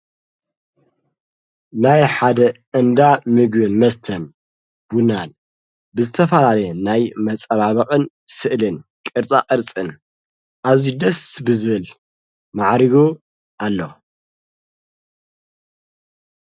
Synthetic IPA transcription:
najħad̪ɐʔɨnd̪amɨɡbɨnmɐst̪ʰɐn | b̥unan | bɨzɨt̪ʰɐfɐlalɐjɛnajmɐt͡sʼɐβaβɐqʼɨn | sɨʔlɨnkʼɨɾt͡sʼaʔʼɨɾt͡sʼɨn | ʔaβzid̪ɐsbɨzɨβɨl | maʕɾiɡo | ʔalːo

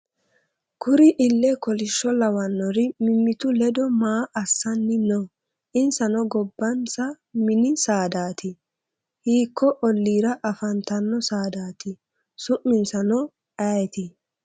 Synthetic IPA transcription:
kʰʊɾɪʔɪlːɛkɔlɪʃːɔlɐwɐnːɔɾɪmɪmːɪt̪ʊlɛd̪ɔmaːʔɐsːɐnːɪnɔː | ʔɪnsɐnɔɡɔbːɐnsɐ | mɪnɪsaːd̪aːt̪ɪ | hiːkʰːɔʔɔlːiːɾɐʔɐfɐnt̪ɐnːɔsaːd̪aːt̪ɪ | sʊʔːɪnsɐnɔ | ɐjt̪ɪ

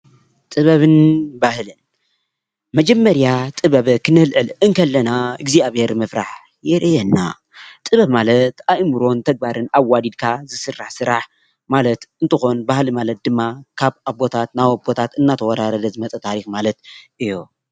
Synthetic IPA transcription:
t̪ʼɨβɐβɨnbahlɨn | mɐd͡ʒɐmːɐɾjat̪ʼɨβɐβɨkʰɨnɨlʔɨlɨŋkʰɐlːɐnaɨɡziaβeɾmɨfɾaħ | jɛɾʔɨjɛnːa̰ | t̪ʼɨβɐβmalɐt̪ajmɨɾo̞nt̪ʰɐɡ̚baɾɨnawːad̪id̪̚kʰazɨsɨrːaħsɨɾaħ | malɐt̪ɨnt̪ʰɨxo̞nbahlimalɐt̪̚d̪ɨmːakʰaβabo̞t̪ʰat̪nawobo̞t̪ʰat̪ɨnːat̪ʰɐwɐɾaɾɐd̪ɐzɨmɐt͡sʼɐt̪ʰaɾixmalɐt̪̚ʔɨjːo

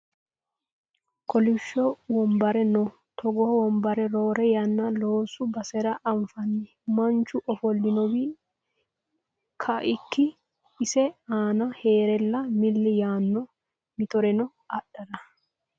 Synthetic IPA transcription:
kʰɔlɪʃːɔwɔmbɐɾɛnɔ | t̪ʰɔɡɔwɔmbɐɾɛɾoːɾɛjɐnːɐloːsʊbɐsɛɾɐʔɐmfɐnːɪ | mɐnt͡ʃːʊʔɔfɔlːɪnɔwɪ | kʰɐʔɪkːɪ | ɪsɛaːnɐheːɾɛlːɐmɪlːɪjaːnːɔ | mɪt̪ɔɾɛnɔ | ɐɗɐɾɐ

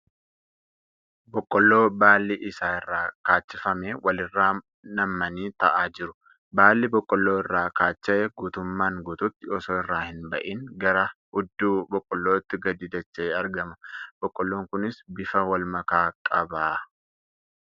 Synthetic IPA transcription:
bɔkʼːɔlːo̞ːbaːlːiʔɪsaːɪrːaːkaːt͡ʃːɪfɐmeːwʔɐlɪrːaː | nɐmːɐniːt̪ɐʔaːd͡ʒɪɾʊ | baːlːibɔkʼːɔlːoːɪrːaːkaːt͡ʃːɐʔɛɡuːt̪ʊmːaːŋɡot̪ʊt̪ːɪɔsoːɪrːaːhɪnbɐʔiːŋɡɐɾɐhʊd̪ːuːbɔkʼːɔlːoːɪt̪ːɪɡɐd̪ɪd̪ɐt͡ʃːɐeːɐɾɡɐmɐb̥ɔkʼːɔlːo̞ːŋkʊnɪsbɪfɐwɐlmɐkaːkʼɐbaː

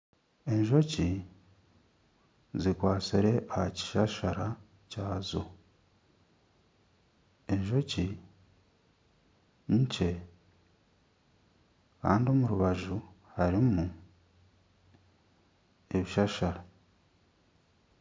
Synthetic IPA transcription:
e̞ɲʒo̞ci | zikwaːt͡siɾe̞ʔahaci̥ʃaʃaɾa | caːzo̰ | eɲʒo̞ci | ɲce̞ | ka̰ːndio̞muɾuβaʒuhaɾimu | eβiʃaʃaɾa

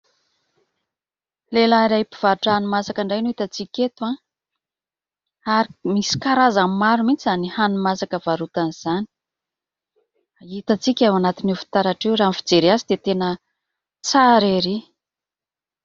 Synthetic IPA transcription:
lelaiɾaipiv̥aɾʈ͡ʂəanumasakaɳɖ͡ʐajnuit̪at͡sikʲet̪ua | aɾimisi̥kaɾazammaɾumit͡sizanihanumasakəvaɾut̪aniz̥ani̥ | ait̪at͡sikʲawanat̪inufi̥t̪aɾaʈ͡ʂewɾamfid͡zeɾeazid̪et̪enə | t͡saɾeɾi

